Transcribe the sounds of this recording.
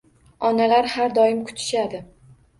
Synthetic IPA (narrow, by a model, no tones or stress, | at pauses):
ɒnalaɾhaɾd̪ɒjɪmkʰʊ̥t̪ʰɪ̥ʃad̪ɪ